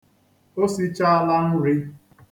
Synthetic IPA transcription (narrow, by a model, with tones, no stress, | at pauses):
o˦si˦t͡ʃa˦a˦la˦n̩˦ɾi˦